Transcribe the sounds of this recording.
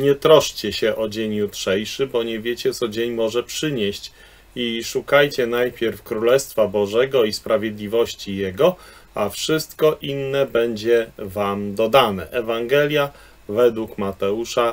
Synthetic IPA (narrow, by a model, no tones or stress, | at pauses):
ɲɛt̪ɾɔʂt͡ɕɛɕɛʔɔd͡ʑeɲjutʂɛjʂɘbɔɲɛvʲjet͡ɕɛt̪sɔd͡ʑeɲmɔʐɛpʂɘɲɛɕt͡ɕ | iʂukajt͡ɕɛnajpʲjɛɾfkɾulɛst̪fabɔʐɛɡɔispɾavʲjed̪lʲivɔɕt͡ɕijɛɡɔ | afʂɘst̪kɔʔinːɛbɛɲd͡ʑɛvamd̪ɔd̪anɛ̰ʔɛvaŋɡɛlʲja | vɛd̪wukmat̪ɛuʂa